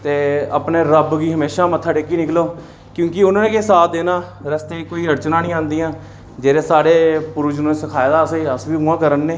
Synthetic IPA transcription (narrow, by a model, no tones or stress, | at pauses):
t̪eːəpneːɾəbɡiːɦəmeːʃaːmət̪ʰːaːʈeːkiːnɪkloː | kjõːkɪʊnãːnẽːkesaːt̪d̪eːnãːɾəst̪eːkoːiːɾəɽt͡ʃnãːnĩːãːnd̪iːãː | d͡ʒeːɾeːsaːɽeːpʊɾʊd͡ʒnõːneːsəkʰaːjed̪aːseəsʋiːɦuːãːkəɾənːeː